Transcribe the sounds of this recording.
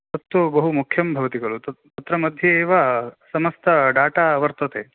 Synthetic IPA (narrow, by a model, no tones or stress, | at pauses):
t̪ɐt̪ːubɐɦumukʰjɐmbʱɐʋɐt̪iɡɐɭut̪ɐt̪ɐt̪ɾɐmɐd̪ʱjɐeːʋasɐmɐst̪ʰɐɖaːʈaɐʋɐɾt̪ɐt̪eː